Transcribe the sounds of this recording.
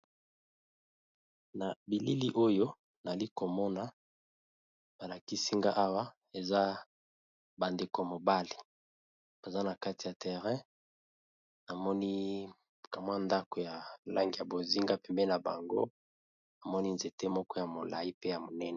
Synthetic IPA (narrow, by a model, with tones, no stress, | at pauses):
na˨bi˨li˦li˦ʔo˦jo˦ | na˨li˦ko˨mɔ˦na˦ | ba˨la˨ki˦si˦ŋɡa˦ʔa˦wa˦ | e˨za˦ | ba˨nde˨ko˨mo˨ba˦li˨ | b̥a˨za˦na˨ka˦ti˨ja˨tʰɛ˨ʁɛ̃˦ | na˨mɔ˦ni˦ | ka˨mwa˦nda˦ko˨ja˨la˦ŋɡi˨ja˨bo˨zi˦ŋɡa˦pɛ˨mbɛ˦na˨ba̰˨ŋɡo̰˦ | na˨mɔ˦ni˦nze˨te˦mɔ˦kɔ˦ja˨mo˨la̰˨i˦pe˦ja˨mo˨nɛ˦nɛ˨